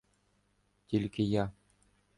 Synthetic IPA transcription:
t̪ʲilʲkʲɘ̆jɑ

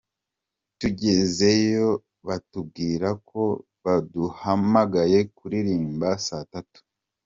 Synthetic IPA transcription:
tuɟe̞ze̞jo̞ | βatub̚ɡiːɾako̞ | βaduhamaɡaje̞kuɾiɾiːmbasatatu̥

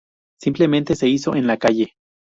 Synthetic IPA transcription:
simplemẽnt̪e̞se̞iso̞ʔenlakaʝe

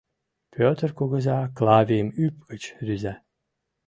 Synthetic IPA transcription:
pʰʲøt̪rkoɣə̆zʲɑklˠavʲemyp̚ɡ̥ət͡ɕɾyzæ

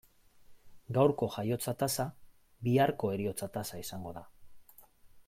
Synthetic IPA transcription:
ɡawɾko̞ʝajo̞t͡sat̪asa | biaɾko̞e̞ɾio̞t͡sat̪asaisaŋɡo̞ða

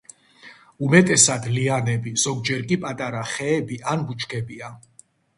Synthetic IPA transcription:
umɛt̪ʼɛsad̪lianɛbiz̥ɔɡd͡ʒɛɾkʼipʼat̪ʼaɾaχɛːbiʔanbut͡ʃʰkʰɛbia

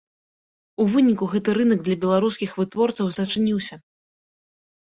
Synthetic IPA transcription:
uvɨnʲikuɣɛt̪ɨɾɨnɐɡ̚d̪lʲɐbʲɛlˠaɾuskʲixvɨt̪vɔrt̪sɐwzɐt͡ʂɨnʲiwsʲɐ

